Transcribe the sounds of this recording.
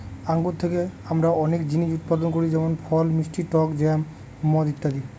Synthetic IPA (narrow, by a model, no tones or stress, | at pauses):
aŋɡot̪ʰːekeamɾaɔnekd͡ʑiniʃut̪̚pad̪ɔnkoɾid͡ʒɛmɔnpʰɔlmisʈiʈɔkd͡ʒɛm | mːɔd̪it̪ːad̪i